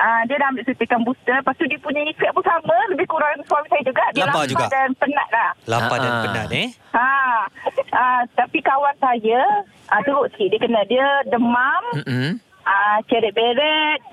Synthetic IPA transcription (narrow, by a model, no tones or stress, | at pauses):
ʔədiədaɦambɪʔsət̪əkanbust̪ərpast̪udiəpuɲaifɛʔ̚punsamə̃ləbɪhkuɾaŋnswamisajad͡ʒuɡaʔdialaad͡ʒupɡadanpəna̰ʔ̚lahlapadanpəna̰ʔni | a | ət̪apikawansajə | ʔət̪əɾʊʔsə̥kiʔdiəkənadiədəmam̩ | ət͡ʃɛɾɛʔ̚beɾɛt̪̚